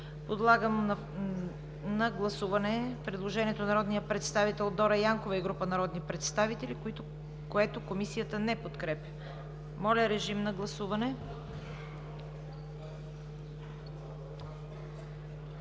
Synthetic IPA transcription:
pod̪lˠaɡəm | nɐɡlˠɐsuvɐnɛpɾɛd̪lˠoʒɛniɛt̪onɐɾɔd̪nijəpɾɛt̪st̪avit̪ɛlˠd̪ɔɾɐjaŋkovɐiɡɾupənɐɾɔd̪nipɾɛt̪st̪avit̪ɛlʲikʊit̪ʊ | koɛt̪okomisijət̪ənɛpot̪kɾɛpʲjə | mɔlʲɐɾɛʒimnɐɡlˠɐsuvɐnɛ

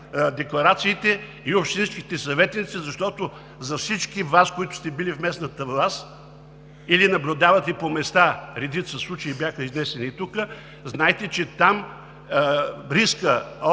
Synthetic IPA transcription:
d̪ɛklˠɐɾat̪siːt̪ɛ | iopʃt̪inski̥t̪ɛsɐvɛt̪nit̪sizɐʃt̪ɔt̪o | zɐfsit͡ʃkivaskoit̪ʊ̥st̪ɛbilifmɛsnɐt̪əvlˠast̪t̪ | ilinɐblʲʊd̪avɐt̪ɛpomɛst̪aɾɛd̪it̪səslˠut͡ʃəibjaxəiznɛsɛnit̪ukə | znajɛt̪ɛt͡ʃɛt̪am | ɾiskə

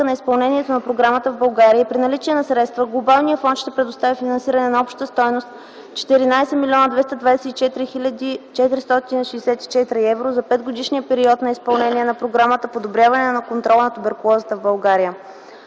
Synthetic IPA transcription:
ənɐispɐlˠnɛniɛt̪onɐpɾoɡɾamət̪əvbɐlˠɡaɾiəipɾinɐlit͡ʃiɛnɐsɾɛt̪st̪vəɡlˠobalˠnijəfɔnt̪ʃt̪ɛpɾɛd̪ʊst̪avifinɐnsiɾənɛnɐɔpʃt̪t̪əst̪ɔjnost̪ | t͡ʃɛ̥t̪iɾinajsɛmilʲiɔnəd̪vɛst̪əd̪vad̪ɛsɛt̪it͡ʃɛt̪ɾit͡ʃɛt̪iɾist̪ɔt̪iniʃiːsɛt̪i̥t͡ʃɛt̪ɾiɛvɾozɐpɛd̪ɡod̪iʃnijəpɛɾiɔt̪nɐispɐlˠnɛniɛnɐpɾoɡɾamət̪əpod̪obɾʲjavɐnɛnɐkont̪ɾɔlˠnɐt̪obɛɾkʊlˠɔzət̪əvbɐlˠɡaɾijə

